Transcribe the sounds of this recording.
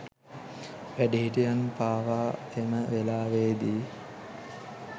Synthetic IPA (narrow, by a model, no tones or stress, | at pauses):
ʋæɖiɦiʈijanpaːʋaː | eməʋelaːʋeːd̪iː